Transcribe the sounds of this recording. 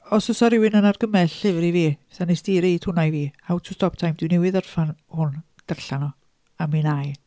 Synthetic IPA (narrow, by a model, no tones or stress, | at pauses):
ɔsəsɔɾɪwɪnənarɡəmɛɬɪvɾiviːsanisdiːɾejtʰʊnajviːawtʰʊstʰɔp̚tʰajmdɪwnɛwɪðarfanhʊn | d̥ərɬanɔ | aminaj